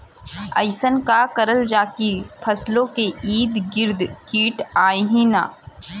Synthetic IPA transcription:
ɐ̰ɪsənkakɐɾəld͡ʒaːkipʰɐslõkeiːd̪ɡɪɾd̪kiːʈaːjɦĩna̰ː

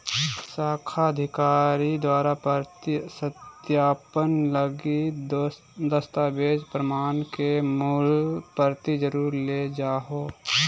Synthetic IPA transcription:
saːkʰaəd̪ʱɪkaːɾid̪waːɾapsət̪jaːpənləɡi | d̪əst̪aːbeːd͡ʒpɾəmaːnkemʊlpəɾt̪id͡ʒəɾuːɾled͡ʒaːɦoː

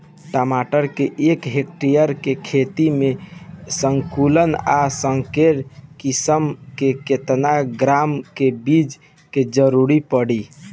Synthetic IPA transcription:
ʈəmaʈəɾkeʔekɦekʈijəɾkekʰet̪imesəŋkulənasəŋkeɾkisəmkeket̪naɡɾamkebid͡ʒ | ked͡ʒəɾuɾipəɽi

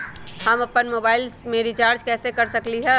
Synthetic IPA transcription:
ɦəməpːənmobaːɪlsmẽɾit͡ʃaːɾd͡ʒkɛːsekəɾsəkliɦɛ̃

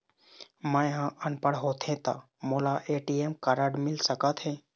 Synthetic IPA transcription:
mə̃ɦãʔənpəɽɦoːt̪ʰẽt̪a̰ | molaʔeːʈiemkəɾəɖmɪlsəkət̪ʰɦɛ̃ː

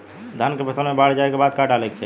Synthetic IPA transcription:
d̪ʱankepət̪əlmebaɽ̤d͡ʒaekebad̪̚kaʈalɛkt͡ʃʰɛ

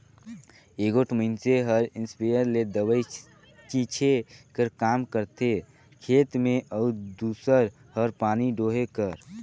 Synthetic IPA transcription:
eɡoʈʰməɪnseɦəɾinspejəɾled̪əbəj | t͡ʃit͡ʃʰekəɾkamkəɾt̪ʰe | kʰet̪meʔəud̪usəɾ | həɾpaːniɖoɦekəɾ

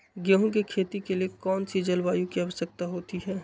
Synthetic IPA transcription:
ɡəɦũkekʰeːt̪ikeliekɔːnsid͡ʒɐlʋaːjũkiaʋəsək̚t̪aɦoːt̪iɦɛː

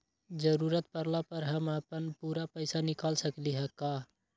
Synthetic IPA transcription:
d͡ʒəɾuːɾət̪̚pəɾlapəɾɦəmaːpənpuːɾapəɪsanɪkaːlsəkliɦɛkːaː

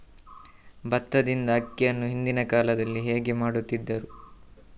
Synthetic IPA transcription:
bɐt̪ːɐd̪ind̪ɐɐkːijɐnːuɦind̪inɐkaːlɐd̪ɐlːiɦeːɡe̞maːɽut̪ːid̪ːɐɾu

